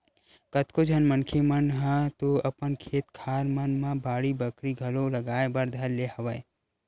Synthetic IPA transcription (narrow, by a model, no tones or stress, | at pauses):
kət̪kod͡ʒʱɐnmənkʰemənɦə̃t̪oɐpənkʰeːt̪kʰaːɾmənmãbaːɽibəkɾiɡʱɐloləɡaːebəɾd̪ʱəllehɐʋəe